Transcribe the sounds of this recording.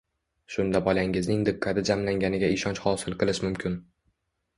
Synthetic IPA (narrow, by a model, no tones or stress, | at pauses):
ʃʊnd̪abɒlaŋɪznɪŋd̪ɪkʰːad̪ɪd͡ʒamlaŋɡʲanɪɡʲaɪʃɒnt͡ʃhɒsɪlˠqɨlˠɪʃmʊmkʲʰɪn